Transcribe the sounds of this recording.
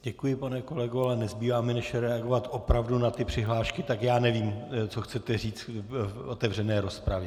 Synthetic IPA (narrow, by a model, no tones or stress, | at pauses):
ɟɛkujɪpanɛko̞lɛɡoalɛnɛzbiːvaːmɛnɛʃjɛɾɛaɡo̞vat̪ʔo̞pɾavdunat̪ɪpr̝̥ɪɦlaːʃkɪt̪akjaːnɛviːmt͡soxt͡sɛt̪ɛriːt͡sʔot̪ɛvr̝ɛnɛːɾo̞spɾavjɛ